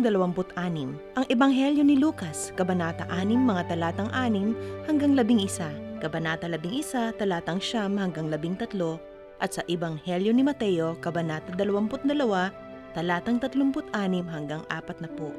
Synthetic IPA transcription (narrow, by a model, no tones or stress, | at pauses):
d̪ɐlɐwampʊt̪ʔaːnɪmʔɐŋʔɛbɐŋɦɛljo̞nɪluːkɐskɐbɐnaːt̪ɐʔaːnɪmːɐŋat̪ɐlaːt̪ɐŋʔaːnɪmhɐŋɡaŋlɐbɪŋʔɪsakɐbɐnaːt̪ɐlɐbiŋʔɪsat̪ɐlaːt̪ɐŋʃamhɐŋɡaŋlɐbiŋt̪ɐt̪lo̞ | ʔɐt̪sɐʔɪbɐŋhɛljo̞nɪmɐt̪ɛjo̞kɐbɐnaːt̪ɐd̪ɐlɐwampʊt̪̚d̪ɐlɐwa | t̪ɐlaːt̪ɐŋt̪ɐt̪loŋpʊt̪ʔaːnɪmɦɐŋɡaŋʔa̰ːpɐt̪̚nɐpo